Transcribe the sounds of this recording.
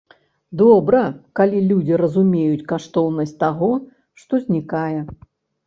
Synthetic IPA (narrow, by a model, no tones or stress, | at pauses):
d̪ɔbɾɐkalʲilʲud͡zʲiɾɐzumʲejut͡sʲkaʂt̪ɔwnɐsʲtʲt̪aɣɔ | ʂt̪ɔzʲnʲikajɛ